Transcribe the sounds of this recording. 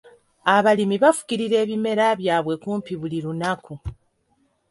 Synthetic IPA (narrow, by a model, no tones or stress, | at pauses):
aβalimiβafu̥ciɾiɾe̞ːβime̞ɾaβjaːβwe̞kuːmpiβuliɾunaku